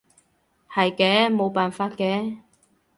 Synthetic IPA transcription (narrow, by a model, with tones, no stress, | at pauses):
hɐ˨jkɛː˨˥mo˨˧wpaː˨˩nfaː˧t̚kɛː˨˥